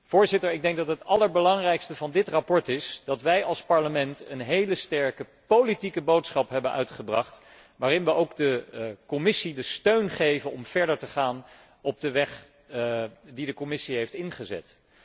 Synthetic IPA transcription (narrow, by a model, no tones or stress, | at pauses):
v̥ʊːɹzɪtəɹɪɡ̚dɛŋk̚dɑtɦətɑləɹbəlɑŋrɛjkstəvɑndɪtrɑpɔɹtɪsd̥ɑtʋɛjɑlˠspɑɹləmɛntənɦejləstɛɹkə | powlitikəbowtsχɑpɦɛbənʔœ̰ɥtχəbrɑ̰χt | ʋaːrɪnʋəʔowkdəkɔmɪsidəstøɥnχejvənɔmv̥ɛɹdəɹtəχaːn | ɔb̚dəʋɛχ | didəkɔmɪsiɦejftɪnχəzɛ̰t